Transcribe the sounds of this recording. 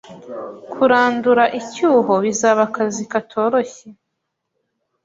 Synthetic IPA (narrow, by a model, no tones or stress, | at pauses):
kʰuɾaːnduɾaʔicuːɦo̞βizaːβakazikatʰo̞ːɾo̞çe